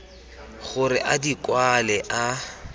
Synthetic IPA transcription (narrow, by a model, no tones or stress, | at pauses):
ɣʊɾɪ̰ʔadikʼwalɛʔa